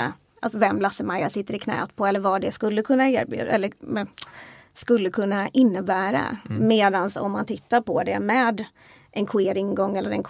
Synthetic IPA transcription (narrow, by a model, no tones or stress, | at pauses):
ʔalsɔvɛmlasːəmaɾjasɪt̪ːəɾɪkʰnɛ̰ːt̪̚pʰɔɛlːəɾvɑd̪ɛskɵlːəkʰɵnːaeːɾbjʉ̰ːɛlːəɛ | skɵlːəkʰɵnːaʔɪnːəbæːɾa̰meːd̪ansɔ̰mːant̪ʰɪt̪ːaɾpʰɔd̪ɛmɛːd̪ | ʔɛnkʰʊeːɾɪŋɡɔŋːɛlːəɾɛnkʰ